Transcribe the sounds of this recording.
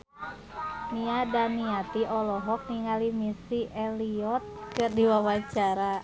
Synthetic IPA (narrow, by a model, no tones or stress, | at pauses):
niadaniat̪iɔlɔɦɔk̚niŋalimisiʔɛliɔt̪̚kɨrdiwawat͡ʃaɾa